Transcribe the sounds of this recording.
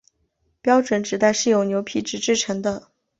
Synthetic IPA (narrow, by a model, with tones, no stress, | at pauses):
pjɑ˥ʊʈ͡ʂwə˧˥nʈ͡ʂɻ̩˨˩t̪a˥˧ɪʂɻ̩˥˩jo˨˧˥ʊnjo˧˥ʊpʰi˧˥ʈ͡ʂɻ̩˨˩ʈ͡ʂɻ̩˥˩ʈ͡ʂʰɤ˧˥ŋd̪ə˧